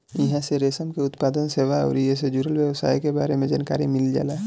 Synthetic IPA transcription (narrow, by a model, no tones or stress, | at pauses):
jɦãseɾeːsəmkeʊt̪paːd̪ənseːʋaɔ̰ːɾies̬ed͡ʒuːɾəlwjəwsa̰ːikebaːɾemẽd͡ʒaːnkaːɾimɪld͡ʒa̰ːla